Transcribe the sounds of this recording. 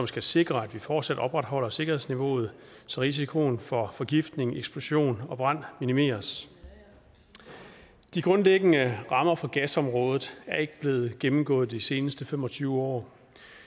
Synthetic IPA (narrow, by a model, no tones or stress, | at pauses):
sɒ̽msɡ̥æse̝ɡ̥ʁɐæd̥ʋifɒːd̥sæd̥ɒ̽b̥ʁɑd̥ɦɒ̽l̰ɐse̝ɡ̥ɐhe̝ðˠsniʋo̝̰ːð̞̩ˠsɒʁis̬ikʰo̝nfɒ̽fɒ̽ɡ̥ifd̥ne̝ŋeɡ̥sb̥lo̝ɕo̝̰ːnɒ̽b̥ʁɑn̰minime̝̰ːɐs | d̥iɡ̥ʁɔ̽nleɡ̥ənəʁɑ̈mɐfɒ̽ɡ̥æsɒ̽mʁɔ̽ːð̞ˠð̩ˠæɐe̝ɡ̥əb̥le̝ːð̩ˠɡ̥emm̩ɡ̥ɔ̰̽ːð̞̩ˠd̥ise̝ːnəsd̥əfem̰ɒ̽t͡sʰyːʊəɒ̰ː